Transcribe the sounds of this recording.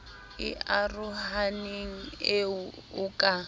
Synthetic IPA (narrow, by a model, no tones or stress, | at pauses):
ɪ̰ʔarʊhaneŋ̩eʊkʼa